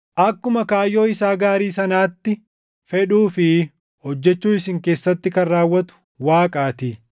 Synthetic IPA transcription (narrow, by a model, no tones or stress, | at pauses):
ʔɐkːʊmɐkaːjːo̞ːɪsaːɡaːɾiːsɐnaːt̪ːɪ | fɛᶑuːfɪ | hɔd͡ʒːɛt͡ʃːuːɪsɪŋke̞ːsːɐt̪ːɪkɐnːaːwːɐt̪ʊ̥ | waːkʼaːt̪ɪ